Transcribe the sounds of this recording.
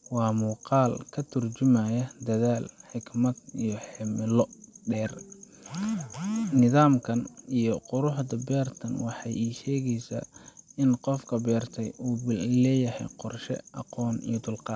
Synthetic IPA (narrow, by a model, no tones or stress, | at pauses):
wɑːmuːqɑːlkʰɐt̪ʰʊrt͡ʃɪmɐjɐd̪ɐðaːlħɪɡmɐd̪ijɞħɪmɪlɔɖɛːr | nɪðaːmkʰɐnijɔqʊɾʊħd̪ɐbɛːrt̪ʰɐnwɑħɑjiːʃɛːɣɛjsa̰ːɪnqɔfkʰɐbɛːrt̪ʰɛjuːblɛːjɐhɛ̰jqɔrʃɛ̰ʔɑ̰qɔːnḭjɔd̪ʊlqɑː